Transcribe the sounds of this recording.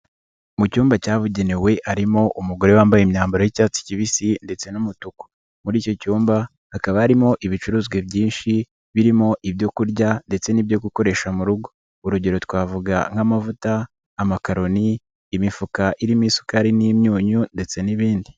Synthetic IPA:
mucuːmbacaːβuɟe̞newe̞ʔaɾimo̞ʔumuɡo̞ɾe̞waːmbajmɲaːmbaɾo̞jicaːt͡si̥ciβisinde̞t͡se̞numutuko̥ | muɾiːco̞cuːmba | hakaβahaɾimo̞ʔiβit͡ʃuɾuːzwe̞bɟiːnʃi | βiɾimo̞ʔiβjo̞kuɾɟande̞t͡se̞nibjo̞ɡuko̞ɾe̞ʃamuɾuɡo | uɾuɟe̞ɾo̞twaːvuɡa̰ŋ̥hamavutaː | makaɾo̞niː | mifukaʔiɾimiːsu̥kaːɾiniːmɲuːɲunde̞t͡se̞niβiːndi

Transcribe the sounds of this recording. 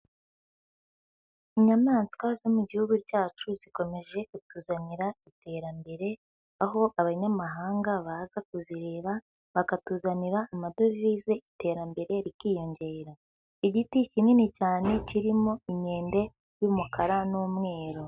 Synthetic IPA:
iɲamaːnzi̥kwazemuɟihuɡuɾɟaːt͡ʃuziko̞me̞ʒe̞kutuːzaniɾaitʰe̞ːɾambe̞ɾe̞ | aɦo̞ʔaβaɲamaɦaːŋɡaβazak̚uziɾe̞ːβa | βakatuːzaniɾaːmado̞vizeite̞ɾambe̞ɾe̞ɾikiːjo̞ɲɟe̞ːɾa | iɟiticininicaːne̞ciɾimo̞iɲe̞ːnde̞ | jumukʰaɾanuːmŋe̞ːɾo̞

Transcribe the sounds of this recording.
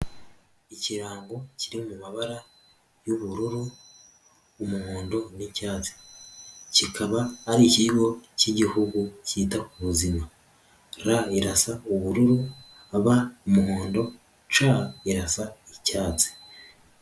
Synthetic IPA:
iciɾaːŋɡo̞ciɾimumaβaɾa | juβuɾuɾu | umuhoːndo̞nicaːt͡se̥ | cikʰaβaːɾiciɡo̞ciɟihuɡuciːtakuβuzima | ɾaiɾasauβuɾuɾu | aβaumuhoːndo̞ | t͡ʃaiɾasaicaːt͡se̥

